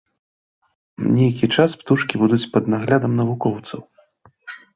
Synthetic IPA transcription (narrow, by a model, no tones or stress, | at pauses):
nʲejkʲit͡ʂaspt̪uʂkʲibud̪ut͡sʲpɐd̪naɣlʲad̪ɐmnɐvukɔwt̪sɐw